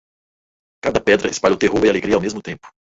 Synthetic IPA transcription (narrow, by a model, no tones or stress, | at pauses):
kad̪ɐpɛd̪ɾɐɪspalʎowt̪eɦoɾialeɡɾiɐawmezmʊt̪ẽmpʊ̥